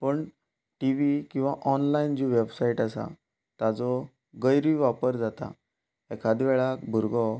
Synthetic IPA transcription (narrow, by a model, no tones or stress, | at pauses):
pəɳ | ʈiʋikĩw̃ʋaʔɔnlaind͡ʑiʋebsaiʈasa̰ | t̪ad͡zɔ | ɡəjɾiʋapəɾd͡zat̪a̰ | ɛkʰad̪ʋɛɭakbʱuɾɡɔ